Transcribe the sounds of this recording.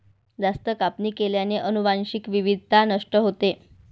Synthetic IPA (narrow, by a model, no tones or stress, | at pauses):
d͡zast̪əkapniːkeljaneʔənuʋanɕikʋiʋid̪ʱt̪anəʂʈəɦot̪e